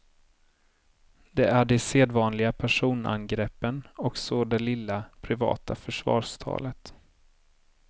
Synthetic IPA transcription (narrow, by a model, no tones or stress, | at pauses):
d̪ɛæɖɛseːd̪vɑːnlɪɡapʰæʂuːnʔa̰nɡɾɛpːənɔksod̪ɛlɪlːapʰɾɪvɑ̰ːt̪afœʂvɑ̰ːʂt̪ʰɑ̰ːlət̪